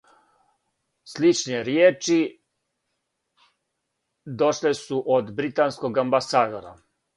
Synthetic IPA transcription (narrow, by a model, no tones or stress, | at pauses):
slit͡ʃneɾjeːt͡ʃi | d̪oʃlesuʔod̪bɾit̪ansko̞ɡambasaːd̪oɾa̰